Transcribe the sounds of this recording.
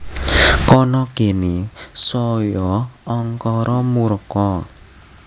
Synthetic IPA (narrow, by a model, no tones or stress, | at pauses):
kɔnɔkenisɔjɔɔŋkɔɾʔɔmuɾəkɔ